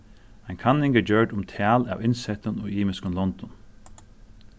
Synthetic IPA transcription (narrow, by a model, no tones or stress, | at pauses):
ajnkʰanɪŋɡɛːd͡ʒœɹɖʊmt̪ʰæːla̰ːwɪnsɛt̪ʊnʊ̰ːɡiːmɪskʊnlɔnt̪ɔn